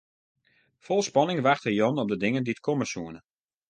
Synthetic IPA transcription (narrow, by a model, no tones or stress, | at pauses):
fɔlˠspɑnɪŋʋaxtəjɔnɔp̚dədɪŋəndiətkʰɔməsuənə